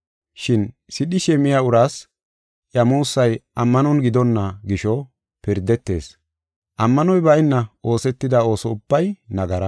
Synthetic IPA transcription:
ʃɪn | sɪɗɪʃɛmːɪjɐʊɾaːs | jɐmuːsːɐjʔɐmːɐnɔnɡɪd̪ɔnːɐɡɪʃɔ | pɪɾd̪ɛt̪ːe̞̰ːs | ʔɐmːɐnɔjbɐɪnːɐo̞ːsɛt̪ːɪd̪ɐo̞ːsɔʊb̥ːɐjnɐɡɐɾɐ

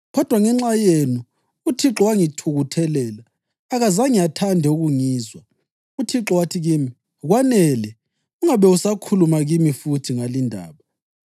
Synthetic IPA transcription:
ɣɔd̥ʱwaŋɛŋ͡ǁajenuː | tʰiǁɔwaŋitʰuɣutʰɛlɛːlaː | ɣazaŋijatʰandʱɛuɣuŋiːzwa | utʰiǁɔwatʰiɣiːmi | ɣwanɛlɛ | uŋaβɛusakʰulumaɣimifutʰiŋalindʱa̰ːβa

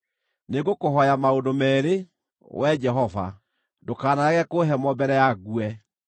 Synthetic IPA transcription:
neɡokoɦɔjamaodomɛːɾe | wʔɛd͡ʒɛɦɔva̰ | dokaːnaɣɛkoɦɛmɔbɛɾɛjaɣuɛ

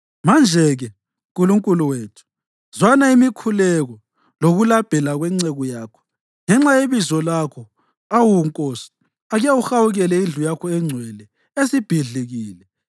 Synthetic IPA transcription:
mand͡ʒʱɛɣɛ | uŋkʼuluŋkʼuluweːtʰu̥ | zwanaimikʰulɛɣɔ | loɣulab̥ʱɛlaɣwɛŋ͡ǀɛɣɔjaːkʰɔ̥ | ŋɛŋ͡ǁajeβizɔlakʰɔ | awuŋkʼosɔ̥ | aɣjawuxawuɣɛlɛind͡ɮʱujakʰɔɛŋ͡ǀʱwɛlɛ | esib̥ʱiɮiɣiːlɛ

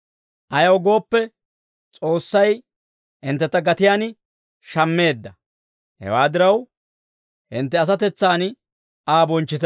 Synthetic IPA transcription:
ʔɐjɐwɡo̞ːpːɛ | t͡sʼo̞ːsːɐj | hɪnt̪ːɛt̪ːɐɡɐt̪ɪjaːn | ʃɐmːe̞ːd̪ːɐ | hɛ̰waːd̪ɪɾɐw | hɪnt̪ːɛɐs̬ɐt̪ɛt͡sːaːn | aːbɔnt͡ʃːɪt̪

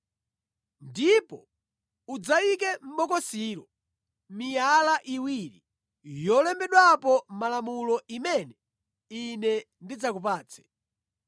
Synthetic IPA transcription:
ndipɔ | ud͡zaik̬ɛm̩ɓɔkɔsiɾɔ | mijalaʔiwiɾi | jɔlɛmbɛɗwapɔmalamulɔʔimɛnɛ | inɛ | ndid͡zakup̬aːt͡sʰɛ̥

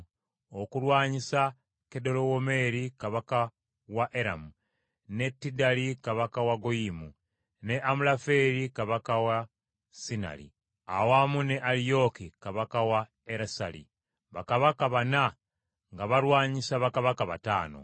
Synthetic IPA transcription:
okulwaːɲisa | ke̞do̞lowome̞ɾikaβaka | waʔeɾa̰mu | ne̞tːidalikaβakawaɡojimu | ne̞ʔamulafe̞ɾikaβakawa | sina̰lḭ | a̰wamune̞ʔalijo̞kikaβakawa | eɾasa̰lḭ | βakaβakaβana | ŋɡaβaɾwaːɲisaβakaβakaβa̰ta̰ːno̞̰

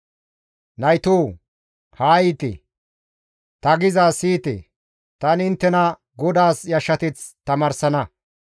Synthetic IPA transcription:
nɐjt̪oː | haːjɪt̪ɪ̰ | t̪ɐɡɪzaːsiːt̪ɪ̰ | t̪ɐnɪnt̪ːɛnɐ | ɡɔd̪aːsjɐʃːɐt̪ɪt͡st̪ɐmɐɾsɐnɐ

